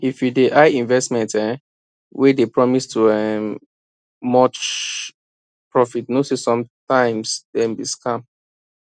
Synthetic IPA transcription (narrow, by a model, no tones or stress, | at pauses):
ifjudeʔaɪĩnvɛstmɛ̃ntɛ̃ | wɛdepɹɔmistʰuɛm | mɔt͡ʃ | pɹɔfitnosesɔ̃mtãɪ̃msdɛ̃mbiskʰãm